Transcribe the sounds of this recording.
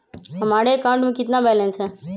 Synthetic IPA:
ɐmaɽeɐkaʊ̃ɳʈmẽkɪt̪nabɛlẽnsẽ

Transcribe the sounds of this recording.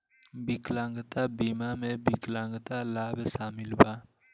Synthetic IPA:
biklãːŋɡt̪abiːmamẽbiklãːŋɡət̪alaːbesaːmɪlbaː

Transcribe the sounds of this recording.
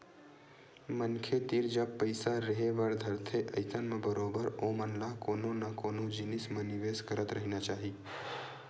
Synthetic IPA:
mənkʰed̪iɾd͡ʒəbpəɪsaɾəɦebaɽd̪ʱəɾt̪ʰeʔɐɪsənmẽbəɾoːbəɾomənlakoːnõnakoːnod͡ʒɪnɪsmẽnɪʋeːskəɾət̪ɾəɦinat͡ʃaːɦi

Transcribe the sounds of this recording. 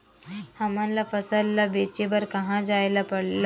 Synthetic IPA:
hamanlafəsəlːabet͡ɕebəɾkəɦãd͡zajlapəɽla

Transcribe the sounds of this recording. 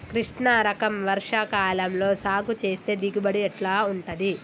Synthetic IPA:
kɾiʂɳaːɾɐkɐmʋɐɾʂakaːlɐmlo̞ːsaːɡut͡ʃe̞ːst̪e̞ːd̪iɡibɐɽiɛʈlaːuɳʈɐd̪i

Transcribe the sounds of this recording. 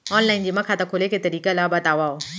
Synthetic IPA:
ɔːnlaːɪnd͡ʑiːmɐ̃kʰat̪akʰoːlekʰet̪ɐɾiːkalaːbɐt̪aːʋaːoː

